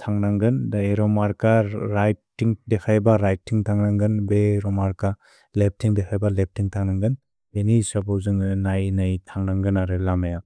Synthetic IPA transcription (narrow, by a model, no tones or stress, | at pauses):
tʰaŋnaŋɡɯndaeɾɔmaɾkaɾajt̚ːiŋdekʰajbaɾajtʰːiŋtʰaŋnaŋɡɯnbeɾɔmaɾka | lep̚tʰiŋdekʰajbalep̚tʰiŋtʰaŋnaŋɡɯn | enisapowzɯŋɯnajnajtʰaŋnaŋɡɯnaɾɯlamaja